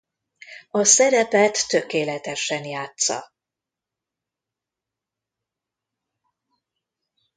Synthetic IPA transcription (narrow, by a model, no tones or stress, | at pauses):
ɒsɛɾɛpɛt̪ːø̞keːlɛt̪ɛʃɛnjaːt̪sɒ̰